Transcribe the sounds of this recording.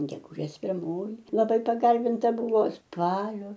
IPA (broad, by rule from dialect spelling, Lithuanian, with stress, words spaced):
ɡʲɛɡʊˈʒʲeːs pʲɪrˈmoːjɪ lˠɐˈbɐɪ pɐˈɡɐrʲbʲɪntɐ ˈbʊʋoː ˈspɑːlʲoː